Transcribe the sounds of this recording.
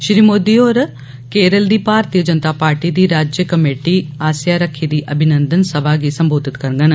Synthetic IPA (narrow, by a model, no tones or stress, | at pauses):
ʃɾiːmoːd̪iːoːɾ | keːɾəld̪iːpaːɾt̪iːjəd͡ʒənt̪aːpaːɾʈiːd̪iːɾaːd͡ʒjəkəmeːʈiːaːsjaːɾəkʰːiːd̪iːʔəbʱɪnə̃nd̪ənsəbʱaːɡiːsəmboːd̪ɪt̪kəɾɡən